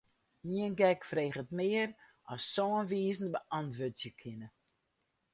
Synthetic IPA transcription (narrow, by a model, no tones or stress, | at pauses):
niənɡɛkfreːχətmɪərʔɔsːoːənʋiːzn̩bəʔɑntʋøtsjəkʰɪnə